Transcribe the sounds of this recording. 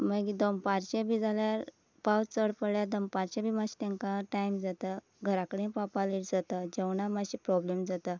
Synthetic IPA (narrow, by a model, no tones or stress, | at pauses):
məɡid̪əmpaɾt͡ɕẽbʱid͡zaljaɾ | pawt͡səɽpəɽɭjad̪əmpaɾt͡ɕẽbʱimaɕi̥t̪ɛ̃ŋkãʈajmd͡zat̪a | ɡʱəɾakəɽẽpapaliʈd͡zat̪ad͡ʑewɳamaɕipɾɔblemd͡zat̪a